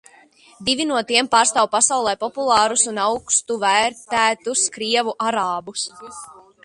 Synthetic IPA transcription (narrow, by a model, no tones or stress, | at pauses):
d̪ivinuɔt̪iɛmpaːɾst̪aːwpasawlˠɛjpɔpulˠɑːɾusunawkst̪uvæːɾt̪æːt̪uskɾiɛvuʔaɾaːbus